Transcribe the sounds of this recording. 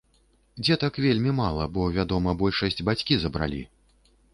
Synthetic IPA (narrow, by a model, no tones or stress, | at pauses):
d͡zʲɛt̪akvʲelʲmʲimalˠɐbɔvʲad̪ɔmɐbɔlʲʂɐsʲd͡zʲbat͡sʲkʲizɐbɾa̰lʲḭ